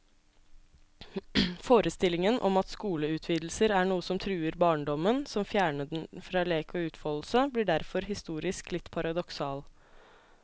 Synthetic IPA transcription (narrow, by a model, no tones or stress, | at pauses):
foːɾʔəst̪ɪlɪŋənʔɔ̰mɑt̪skuːləʉːt̪ʰʋiːd̪l̩səɾæːɳuːəsɔmt̪ʰɾʉːəɾbɑːɳɖɔmənsɔmfjæːɳəɖɛnfɾɑːleːkɔʉːt̪fɔːll̩səbliːɖæɾfɔɾɦɪst̪uːɾɪsklɪt̪ːpʰɑɾɑd̪ɔksɑːl